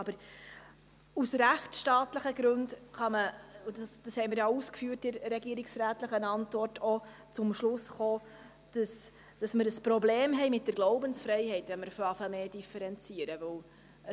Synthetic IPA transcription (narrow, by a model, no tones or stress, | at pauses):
ɑbəɾ | usɾæχtʃtɑːtləχəɡɾʉndχɑməud̥əsd̥ɑshɛɪməɾjɑuskfyːət̚dɪɾɾɛɡiəɾiksɾæːtləχənɑntvɔrtʰot͡sʊmʃlʊsχoː | d̥əs | d̥ɑsməɾəspɾɔbleːmɦɛɪmɪt̚d̥əɾɡ̥loʊbənsfɾɛɪɦɛɪtʋɛnməɾfɑfɛmeːd̥ifɛɾɛnt͡siəɾəvɵw | ə